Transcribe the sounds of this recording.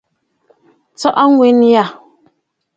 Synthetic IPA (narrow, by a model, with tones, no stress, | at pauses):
t͡sɔ˦ʔɔ˦ŋwe˨˦n˦ja˦˨